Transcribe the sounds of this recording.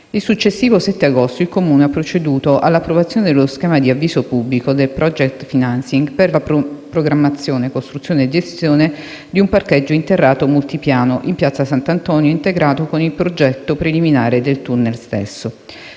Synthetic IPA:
ilsut͡ʃːesːiːvosɛt̪ːeaɡost̪oilkomuːneapːɾot͡ʃed̪uːt̪oʔalːapːɾovat̪sjoːned̪eloskɛːmad̪iavːiːsopubːlikod̪elpɾɔd͡ʒɛkt̪finansiŋɡperlapɾoɡɾamːat̪sːjoːnekost̪ɾut̪sːjoːned͡ʒest̪joːne | d̪iumparked͡ʒːoint̪erːaːt̪omult̪ipjaːnoʔimpjat̪sːasant̪ant̪ɔnjoint̪eɡɾaːt̪okonilpɾod͡ʒɛt̪ːopɾeliminaːɾed̪elt̪unːelst̪ḛsːo

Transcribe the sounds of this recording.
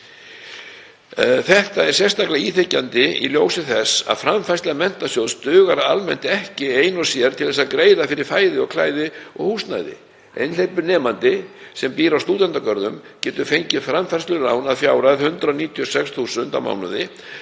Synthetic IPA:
θɛht̪aɛɾ̥sjɛst̪aklaiːθecːant̪ɪḭljoːwsɪθɛsa̰ðfɾamfajst̪lamɛn̥t̪asjowðst̪ʏːɣaɾaa̰lmɛnt̪ɪɛhcɪeːjnɔsjɛɾ̥t̪ʰɪlɛsːakɾeːjðafɪɾɪɾ̥faːjðɪɔɣkʰlaːjðɪɔ̰ɣhuːst̪na̰jðɪ̰ | ḛjnlejpʏɾnɛːmant̪ɪsɛmpiːɾawst̪uːt̪ant̪akœɾðʏmcɛːt̪ʏfejɲcɪfɾamfajst̪lʏrawnaðfjaːwɾaðhʏnt̪ɾaniːt̪ʰiɔsɛksθuːsʏnt̪a̰wma̰ːwnʏðɪ

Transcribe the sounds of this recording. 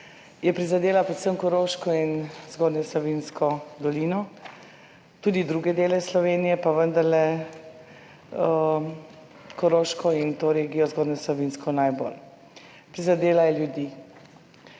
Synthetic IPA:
jɛpɾizad̪eːlapɾɛt̪səmkɔɾoːʃkɔinzɡoːd̪nɛslɔʋinskɔd̪ɔliːnɔ | t̪uːd̪id̪ɾuːɡɛd̪eːlɛslɔʋeːnijɛpaʋənd̪aɾlɛ | ə | kɔɾoːʃkɔint̪oːɾeːɡijɔzɡoːd̪nɛslɔʋinskɔnajbo̰ːl | pɾizad̪eːlajɛljud̪i

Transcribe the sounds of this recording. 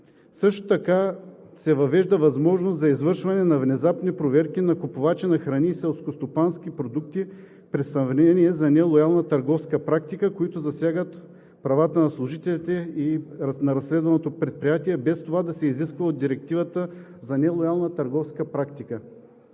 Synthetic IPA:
sɤʃt̪o̥t̪ɐkasɛvɐvɛʒd̪əvɐzmɔʒnost̪zɐizvɤɾʃvɐnɛnɐvnɛzapnipɾovɛɾkinɐkʊpʊvat͡ʃinɐxɾɐnʲisɛlˠskost̪opansk̟ipɾod̪uk̚t̪i | pɾɛsɐmvnɛniɛzɐnɛlˠojalˠnət̪ɐɾɡɔfskəpɾak̚t̪ikəkoit̪ʊzɐsʲjaɡət̪ | pɾɐvat̪ənɐslˠʊʒit̪ɛlit̪ɛinɐɾɐsːlɛd̪vɐnot̪opɾɛt̪̚pɾijat̪iɛbɛst̪ovad̪ɐsɛiziskvɐod̪d̪iɾɛk̚t̪ivət̪ə | zɐnɛlˠojalˠnət̪ɐɾɡɔfskəpɾakt̪ikə

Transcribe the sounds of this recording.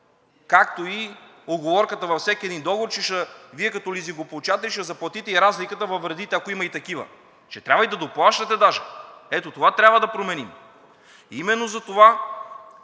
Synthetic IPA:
kak̚t̪oi | od̪ɡovɔɾkət̪əvɐfsʲɛkʲiɛd̪ind̪ɔɡovoɾt͡ʃɛʃəviɛkɐt̪ɔliziŋɡoplˠt͡ʃat̪ɛliʃɛzɐplˠɐt̪it̪ɛiɾazlikət̪əvɐvɾɐd̪it̪ɛɐkoimɐit̪ɐkivə̰ | t͡ʃɛt̪ɾʲabvɐid̪ɐd̪oplˠaʃt̪ɐt̪ɛd̪aʒɛɛt̪ot̪ovat̪ɾʲabvəd̪ɐpɾomɛnim | imɛnːozɐt̪ova

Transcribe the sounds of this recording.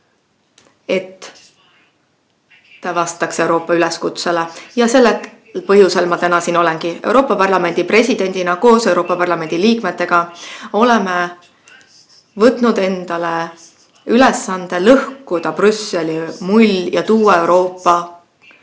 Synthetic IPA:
e̞t̪ːˑ | ɑvɑst̪ɑkse̞wɾo̞ːpːɑyleskut̪selejɑse̞lːe | pɤɦjuse̞lmɑt̪ænɑsiːno̞le̞nɡie̞̰wɾo̞ːpːˑɑpɑrlɑme̞nʲd̪̥ipre̞sʲid̪̥e̞nʲd̪̥ʲinɑko̞ːse̞wɾo̞ːpːˑɑpɑrlɑme̞nʲd̪̥iliːkme̞t̪ːe̞ɡ̥ɑo̞le̞me | vɤt̪ˑnud̪̥e̞nd̪̥ɑle̞ | yle̞sːɑnd̪̥e̞lɤhkud̪̥ɑprysːe̞lʲimulʲjɑt̪uːewɾo̞ːpːɑ

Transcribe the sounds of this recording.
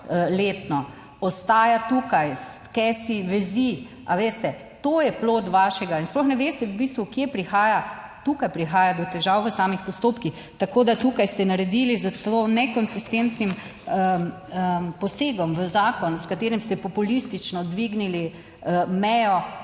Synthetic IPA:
leːt̪nɔ | ɔst̪aːjat̪uːkajs | kɛsiʋɛzi | aʋeːst̪ɛ | t̪oːjɛploːt̪ʋaːʃɛɡainsplɔxnɛʋeːst̪ɛwbist̪ʋukjepɾixaːja | t̪ukajpɾixaːjad̪ɔt̪ɛʒaːwʋəsaːmixpɔst̪oːpkix | t̪akoːd̪at̪ukajst̪ɛnaɾɛd̪ilizat̪onɛkɔnsist̪ent̪nim | əpɔseːɡɔmʋəzaːkɔnskat̪eːɾimst̪ɛpɔpulist̪it͡ʃnɔd̪ʋiɡnili | əmɛjɔ

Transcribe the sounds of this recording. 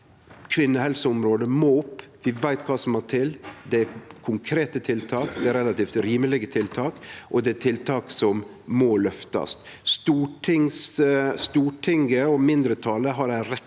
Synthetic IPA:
kʰʋɪnːəhɛlsəʊmɾoːd̪əmoːʊpːʋɪʋæɪt̪kʰɑːsɔmhæʈʰɪld̪ɛæɾkʰʊŋkʰɾeːt̪ət̪ʰɪlt̪ʰɑːkd̪ɛæɾɛlɑt̪iːft̪ɾiːməlɪɡət̪ʰɪlt̪ʰɑːkʔɔd̪ɛæʈ̪ʰɪlt̪ʰɑːksɔm | mɔlœft̪ɑ̰st̪ | st̪uːʈʰɪŋsst̪uːʈʰɪŋɡəɔmɪnd̪ɾət̪ʰɑːləɦɑɾæɪɾɛ

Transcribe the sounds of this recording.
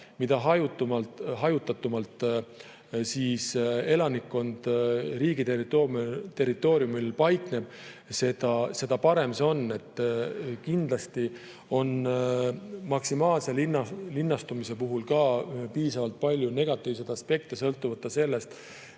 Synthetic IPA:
mid̪ɑɦɑjut̪ːumɑltɦɑjut̪ːˑɑt̪ːˑumɑlt̪ˑ | siːse̞lɑnikːo̞nd̪̥riːɡ̥it̪erit̪ˑomt̪e̞rit̪ːˑo̞ːɾiumilpɑjkne̞b̥se̞d̪̥ɑse̞d̪ɑpɑɾe̞mseo̞nːe̞t̪ːˑkind̪̥lɑst̪i | o̞n | mɑksimɑːlse̞linːɑlinːɑst̪umise̞puɦulkɑːpiːsɑvɑlt̪̚pɑlʲjune̞ɡ̥ɑt̪ːˑiːvs̬et̪ɑspe̞k̚t̪esɤ̞lt̪ːuvɑt̪ːˑɑse̞lːe̞st̪

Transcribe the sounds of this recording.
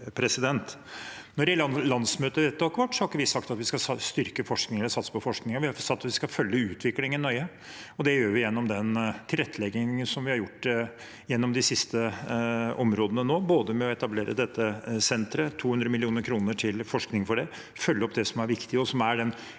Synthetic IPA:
pʰɾɛsɪd̪ɛnt̪ | nɔɾɛllɑnsmøːt̪əʋeːt̪ːokʋɑʈːsɔhɑɾkːəʋɪsɑkt̪ɑt̪ʋɪskɑst̪ʏɾkəfɔʂknɪŋəlsɑt̪spʰɔfɔʂknɪŋəʋɪhɑsɑt̪ːʋɪskɑfœlːəʉːt̪ʰʋɪklɪŋɪnɔɾʏə | ɔd̪ɛjøːɾʋɪjɛnːɔmd̪ɛnt̪ʰɪlɾɛt̪ːəlɛɡːɪŋənsɔmʋɪhɑɾjʊʈː | jɛnːɔmd̪ɪsɪst̪ə | ɔmɾoːd̪ənənoːboːd̪əmɛɔɛt̪ɑbleːɾʔə̰d̪ɛt̪ːəsɛnt̪ɾət̪ʰuːhʉnd̪ɾəmɪlɪuːnəɾkʰɾuːnəʈʰɪlfɔʂknɪŋfɔɖɛ | fœlːəɔp̚d̪ɛsɔmæɾʋɪkt̪ɪəɔsɔmæɖɛn

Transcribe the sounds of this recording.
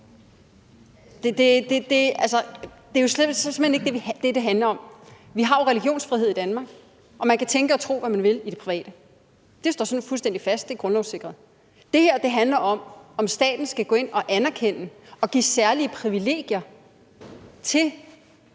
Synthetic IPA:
d̥ed̥e̝d̥ed̥e̝ælsɐd̥e̝jo̝ssem̩hene̝ɡ̥d̥eʋid̥e̝d̥e̝ɦænlɐɒ̽mʋiɦɑ̈oʁɛliɡ̥jo̝̰ːnsfʁiɦeð̰ˠid̥ænmɑ̈ːɡ̥ | ʔɒ̽mænkʰæt͡sʰeŋɡ̥əɒt͡sʰʁo̝̰ːʋæmænʋe̝lidɾe̝̥pʰʁiʋɛ̰ːd̥ə | d̥e̝sd̥ɒ̰ːsɒnfulsd̥en̰d̥ifæsd̥d̥e̝ɡ̥ʁɔ̽nlɒʊse̝ɡ̥ʁɐð̩ˠ | d̥e̝heɐ̰d̥e̝ɦænlɐʔɒ̽mɒ̽msd̥ɛ̰ːd̥n̩sɡ̥æɡ̥ɔ̽e̝nɒ̽ʔænɐkʰen̰əɒ̽ɡ̥ḭːsæɐliəpʰʁiʋile̝̰ːɡ̥jɐ | t͡sʰe̝

